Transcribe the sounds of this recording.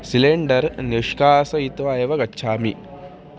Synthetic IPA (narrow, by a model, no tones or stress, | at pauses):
sileɳɖɐɾniʂkaːsɐit̪ʋaːjɐʋɐɡɐt͡ʃːt͡ʃʰaːmḭ